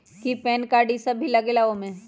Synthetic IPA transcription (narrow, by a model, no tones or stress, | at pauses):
kipɛːnkaːɾɖisɐbʱilɐɡelaomẽ